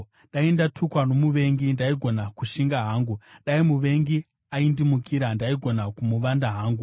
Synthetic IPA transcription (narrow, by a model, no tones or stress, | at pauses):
ɗaindatʰukwano̞muʋe̞ŋɡindaiɡʱo̞nakuʃiŋɡaɦaːŋɡuɗaimuʋe̞ŋɡi | aindimukiɾandaiɡʱo̞nakumuʋandaɦaːŋɡu